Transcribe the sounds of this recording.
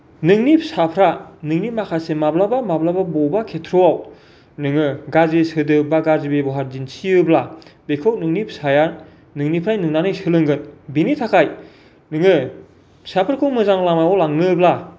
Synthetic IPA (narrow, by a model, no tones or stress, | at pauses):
nɯŋnipsapʰɾanɯŋnimakʰasemablabamablababɔbakʰetʰɾoaw | nɯŋɯɡazesɯdɯbaɡazibebɔɦaɾd͡ʒinsiɯblabekʰɯw̚nɯŋnipʰsajan | nɯŋnipʰɾajnɯŋnanɯjsɯlɯŋɡɯnbinitʰakʰaj | nɯŋɯ | sapʰɾakʰɯŋmɯzaŋlamajawlaŋnɯbla